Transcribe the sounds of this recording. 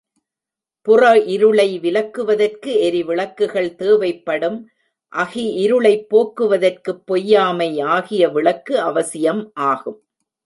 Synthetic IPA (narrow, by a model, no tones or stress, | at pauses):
pʊrɐʔɪɾɯɭɐɪʋɪlɐkːɯʋɐðɐrkɯɛɾiʋɪɭɐkːɯɣɐɭt̪eːʋɐɪpːɐɽɯm | ʔɐɣɪɪɾɯɭɐɪpːoːkːɯʋɐðɐrkɯpːɔjːaːmɐɪaːɣɪjɐʋɪɭɐkːɯɐʋɐsɪjɐmʔaːɣɯm